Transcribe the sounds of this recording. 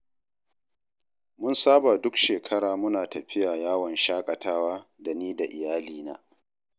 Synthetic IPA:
mʊ˦nsaː˦ba˨dʊ˦kʃeː˨kʰɐ˦ɽaː˨mʊ˦naː˨tɐ˨ɸɪ˦jaː˨jaː˦wɔ˨nʃaː˦kʼɐ˨tʰaː˦waː˦da˨niː˦da˨ʔɪ˨jaː˦liː˨na̰ː˦

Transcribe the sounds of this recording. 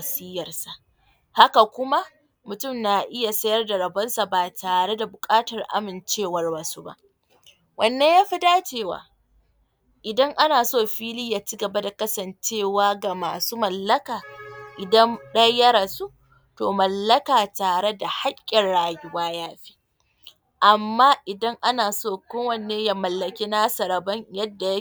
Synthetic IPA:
ɐ˨siː˦jɐ˨rsa˨ʔ | ha˦ka˨kʷʊ˦ma˦ʔ | mʊ˨tʊ˦˨mna˨ʔɪ˦ja˨sɐ˦jɐ˦rda˨ɾɐ˨bɐ˦nsa˨baː˨taː˨ɽe˦da˨bʊ˨kʼaː˦tɐ˨rʔa̰˦mɪ˨nt͡ʃeː˦˨wɐ˦rba˨su˦ba̰˦ʔ | wʔɐ˨nːeː˦jaː˦ɸi˦daː˦t͡ʃeː˦˨wa̰ː˨ | ʔɪ˨dɐ˦ŋʔa˦naː˨soː˦˨ɸiː˦lɪ˦jaː˨t͡ʃi˦ɡɐ˨ba˦da˨kɐ˦sɐ˨nt͡ʃeː˦˨waː˦ɡa˨ma̰ː˨suː˦mɐ˨lːɐ˦kaː˨ʔɪ˨dɐ˦nɗɐ˦jjɐ˦ɾa˨su˦ | toː˨mɐ˨lːɐ˦kaː˨taː˨ɽe˦da˨ha˦kʲʼːɪ˨rɽaː˦jɪ˦waː˦jaː˦ɸi̥ː˦ | ʔa˨mːaː˦ʔɪ˨dɐ˦ŋʔa˦naː˨soː˦˨kʷoː˦wɐ˨nːeː˦ja˦mɐ˨lːɐ˨kʲiː˦naː˦sɐ˨ɾɐ˨bɐ˦ɲjɐ˦dːa˨j

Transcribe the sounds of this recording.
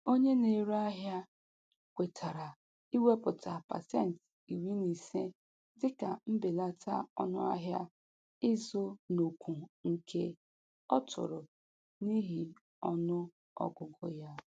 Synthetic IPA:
o˦ɲe˦ne˨ɾa˦ɦja˦ | kʷe˨tʰa˨ɾa˨ | i˦we˦pʊ˨ta˨pa̰˨sɛ˦˨n˨t | i˨wi˦ni˨se˦ | dɪ˦ka˨m̩˦bɪ˨la˦tʰa̰˦ɔ˦nʊ̰˦a̰˦ɦja˦ | ɪ˦zʊ˦no˨kʷu˨ŋ̩˨kʰe˦ | ɔ˦tʰʊ̰˨ɾʊ˨ | ni˦ɦi˨ | ɔ˦nʊ˦ | ɔ̰˦ɡʊ˨ɡʊ˦ja˦

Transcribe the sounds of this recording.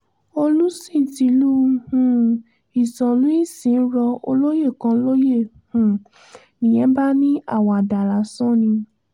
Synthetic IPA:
o˧lu˦sĩ˦˨ti˧˦lu˦hũ˨ | i˨sɔ̃˨lũ˨˦i˦˨sĩ˨˦n̩˦ɾɔ˧o̰˧lo˦je˦˨kã˧˦lo˦je˦˨ | hũ˨ | nĩ˨jɛ̃˨˦ba˦nĩ˦a̰˦˨wɔ˨a˨da˨la˨˦sɔ̃˦˨nĩ˧

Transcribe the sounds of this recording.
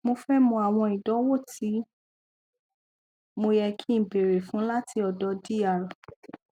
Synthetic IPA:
mo˧fɛ˦mɔ̃˧a˨w̃ɔ̃˧i˨dɔ˨˦wo˦˨ti˨˦ | mo˧jɛ˧kʰi˦m̩˨be˨ɾe˨fũ˨˦la˦tʰi˧ɔ˨dɔ˧di˦a˨ɾɔ˨

